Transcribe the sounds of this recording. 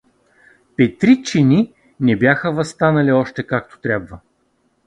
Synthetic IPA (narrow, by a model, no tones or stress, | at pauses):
pɛt̪ɾit͡ʃini | nɛbʲjaxəvɐst̪anɐlʲiɔʃt̪ɛkakt̪o̥t̪ɾʲabvə